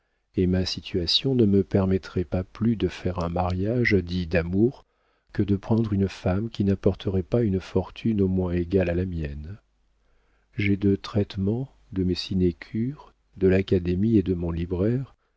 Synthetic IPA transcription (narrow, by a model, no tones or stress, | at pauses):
emasit̪yasjɔ̃nəməpɛʁmɛt̪χɛpaplyd̪əfɛʁɛ̃maʁjaʒd̪id̪amuʁ | kəd̪əpχɑ̃d̪ʁynfamkʲinapɔʁt̪ʰəʁɛpaynfɔʁt̪ʰynomwɛ̃eɡalalamjɛn | ʒɛd̪ət̪χɛt̪mɑ̃ | d̪əmesinekʲʰyʁ | d̪əlakad̪emied̪əmɔ̃libʁɛʁ